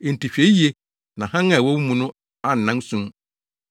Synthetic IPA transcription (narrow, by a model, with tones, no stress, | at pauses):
e˨n̩˨tʰi˨ɕᶣe˦je˦ | nã˨hã˦ŋã˨wɔ˦wu˦mũ˨nʊ̃˦ | a˦n̩˨nã˦n˦sũ˦m